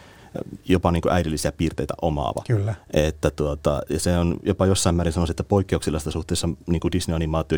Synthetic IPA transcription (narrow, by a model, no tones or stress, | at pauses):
jopɑniːŋkṵʔæidilːisiæpiːrt̪eit̪æ̰ʔomɑ̰ːʋɑ̰klːʔet̪ːæt̪uot̪ɑjɑseonjopɑjosːɑimæːɾinsɑnosiet̪ːæpoikːeuksilːɑst̪ːɑsuht̪eːˑsːɑniːŋkudisniɑnimɑːt̪ˑio